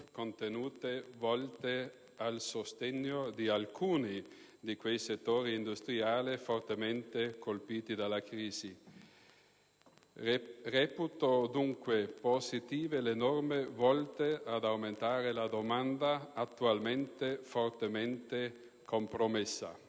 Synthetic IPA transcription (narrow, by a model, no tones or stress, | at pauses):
kont̪enuːt̪evɔlt̪e | alsost̪eɲːod̪ialkʰuːni | d̪ikwejset̪ːoːɾiːnd̪ust̪ɾiaːlefort̪ement̪ekolpiːt̪id̪alːakɾiːzi | rɛːput̪od̪uŋkwepozit̪iːvelenɔrmevɔlt̪ead̪awment̪aːɾelad̪omand̪aːt̪ːualment̪efort̪ement̪e | kompɾomesːa̰